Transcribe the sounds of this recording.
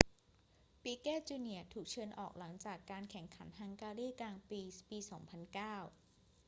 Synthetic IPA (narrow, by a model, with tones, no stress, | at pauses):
piː˧kɛː˥˩t͡ɕuː˧ni˩ət̪ʰuː˨˩k̚t͡ɕʰɤː˧nʔɔː˨˩k̚la˩˦ŋt͡ɕaː˨˩kːaː˧nkʰɛ˨˩˦ŋkʰa˩˦nɦa˧ŋkaː˧ɾiː˥˩klaː˧ŋpiː˧piː˧sɔː˩˦ŋpʰa˧nkaː˥˩w